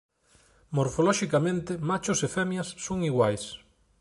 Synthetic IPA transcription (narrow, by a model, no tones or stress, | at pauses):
moɾfolɔʃikamẽnt̪ɪmat͡ʃʊsefɛmjɐsːoŋiɣwajs